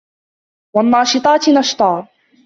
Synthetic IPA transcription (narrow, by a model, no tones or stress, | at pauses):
wanːɑːʃɨt̪ˤɑːt̪nɑʃt̪ˤɑː